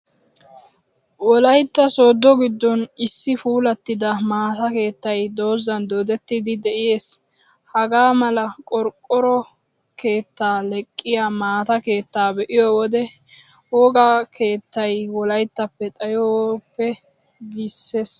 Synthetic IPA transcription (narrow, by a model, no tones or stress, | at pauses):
wɔlɐjt̪ːɐso̞ːd̪ːɔɡɪd̪ːɔnɪsːɪfuːlɐt̪ːɪd̪ɐmaːt̪ɐke̞ːt̪ːɐjd̪o̞ːzɐnd̪oːd̪ɛt̪ːɪd̪ɪd̪ɛʔɪje̞ːs | hɐɡaːmɐlɐkʼɔɾkʼːɔɾɔ | ke̞ːt̪ːaːlɛkʼːɪjamaːt̪ɐke̞ːt̪ːaːbɛʔɪjɔːwɔd̪ɛ | woːɡakʰe̞ːt̪ːɐjwɔlɐjt̪ːɐpːɛt̪ʼɐjɔwpːɛ | ɡisːe̞s